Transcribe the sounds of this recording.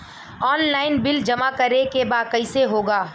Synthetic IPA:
ɔːnlaːɪnbɪld͡ʒɐmakɐɾekebaːkɐiseɦoːɡaː

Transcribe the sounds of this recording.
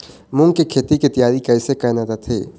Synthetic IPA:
mʊ̃ŋɡkekʰeːt̪ikit̪əjaːɾikɛːsekɐɦnad̪at̪ʰḛː

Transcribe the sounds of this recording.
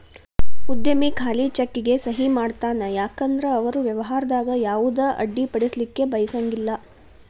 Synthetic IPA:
ud̪jɐmikʰaːlit͡ʃɐkːiɡe̞sɐɦimaːɖt̪aːnɐjaːkɐnd̪ɾɐːʋɐɾuʋjɐʋɐɦaːɾɐd̪aːɡɐjaːʋud̪ɐʔɐ̰ɖːipɐɽislikːe̞bɐjɐsɐŋɡilːɐ

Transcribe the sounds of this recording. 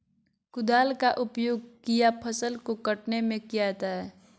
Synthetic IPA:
kʊd̪aːlkaʔʊpjoːɡ̚kijapʰəsəlkokəʈnemẽkijat̪aɦɛː

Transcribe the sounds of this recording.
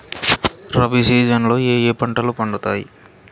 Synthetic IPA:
ɾɐbisiːd͡ʒɐnlo̞ːeːjeːpɐɳʈɐlupɐɳɖut̪aːjḭ

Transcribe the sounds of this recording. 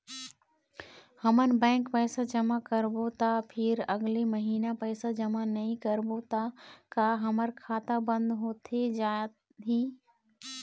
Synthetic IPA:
həmən̆bɛ̃ːŋkpɛːsad͡ʒəmakəɾbot̪apʰɪɾəɡleməɦiːnapɛːsad͡ʒəmanɐɦĩkəɾbot̪akaːɦəməɾkʰaːt̪abə̃nd̪ɦoːt̪ʰed͡ʒaː | ɦiː

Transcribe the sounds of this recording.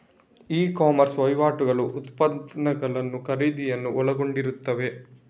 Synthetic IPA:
iːkaːmɐɾsʋɐjʋaːʈuɡɐɭuʔːt̪pɐd̪nɐɡɐɭɐnːukɐɾiːd̪ijɐnːuʔɔɭɐɡo̞ɳɖiɾut̪ːɐʋe̞

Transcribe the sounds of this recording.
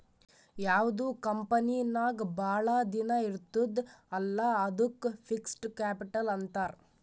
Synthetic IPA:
jaːʋd̪uːkɐmpɐnijnːaːɡbaːɭɐd̪inɐiɾt̪ːud̪ɐlːɐɐd̪ukːpʰiksʈkaːpiʈɐlɐnt̪aːɾ

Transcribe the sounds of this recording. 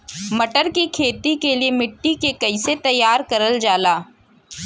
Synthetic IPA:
mɐʈəɾkikʰeːt̪ikeliemɪʈːikekɐiset̪ɐjːaːɾkɐɾəld͡ʒaːlaː

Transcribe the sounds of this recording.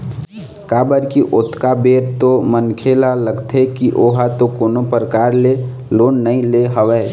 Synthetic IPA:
kabəɾkiʔot̪ʰkabeɾt̪omənkʰelaləɡt̪ʰekiʔoɦat̪okoːnopɾəkaɾle | loːnːəĩleɦəʋɛ

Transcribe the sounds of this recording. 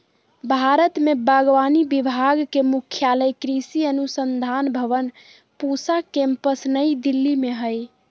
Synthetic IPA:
bʱaɾət̪mebəɡʋanibibʱaɡkemukʰjaləjkɾisiənusənd̪ʱanbʱəʋən | pusakẽmpəsnəjd̪ilːimeɦəj

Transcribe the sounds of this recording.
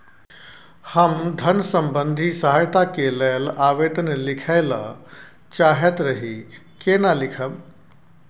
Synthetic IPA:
həmd̪ʱənsəmbənd̪ʱisəɦajt̪akelelaːʋed̪ənlikʰaɪlə | t͡ʃaɦet̪ɾəɦi | kenalikʰəb

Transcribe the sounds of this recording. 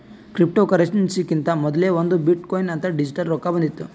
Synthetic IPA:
kɾip̚ʈoːkɐɾekʂɐnsikint̪ɐmɔd̪ɐleːʋond̪ubiʈkoːjinɐnt̪ɐɖid͡ʒiʈɐɾɾoːkabɐnd̪it̪ːu

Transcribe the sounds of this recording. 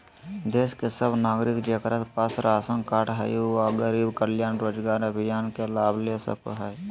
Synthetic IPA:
d̪eːskesəbnaːɡɾɪkd͡ʒekɾət̪pəsɾaːsəŋkaːʈɦə̰jaɡəɾiːbkəljaːnɾoːd͡ʒɡaːɾəbʱɪjaːnkelaːbʱlesə̰k̚ɦɛː

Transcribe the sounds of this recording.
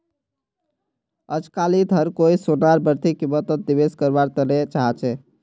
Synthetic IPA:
əd͡ʒkalid̪ʱəɾkoisonaɾbəɾt̪ikimət̪ət̪̚d̪iβeskəɾbaɾt̪əɾɛt͡ʃaɦt͡ʃʰɛ

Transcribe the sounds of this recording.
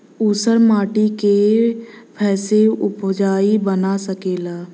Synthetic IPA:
usəɾmaːʈike | pʰɛːseʊpd͡ʒaːibənasəkeːlaː

